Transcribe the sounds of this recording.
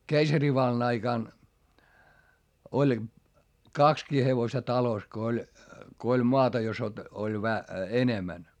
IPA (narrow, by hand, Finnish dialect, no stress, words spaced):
keisɑriʋɑlːɑn ɑikɑˑn olʲ kɑkskiː heʋostɑ tɑlos ko olʲ ko olʲ moɑtɑ jos ot olʲ ʋæ enemæn